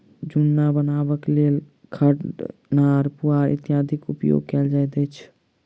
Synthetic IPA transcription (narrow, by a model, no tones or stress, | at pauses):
d͡ʒʊnːabənaːbəklel | kʰəʈnaɾpuaɾʔɪ̰t̪jaəd̪ʱikʊpjo̰ɡ̚kɛld͡ʒajd̪ɛt͡ʃʰ